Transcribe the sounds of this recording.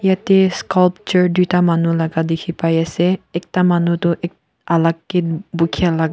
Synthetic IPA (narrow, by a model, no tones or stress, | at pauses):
jatɛskɔlp̚t͡ʃɔɹdutamanulaɡadekʰipajɛsɛɛk̚tamanutɔʔɛk | alakːet̚bukʰialaɡ